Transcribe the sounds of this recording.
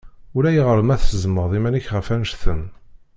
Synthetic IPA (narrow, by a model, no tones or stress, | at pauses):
ʊɾæjiʁəɾmæθəzməðˤimæniçʁəfænʃθəm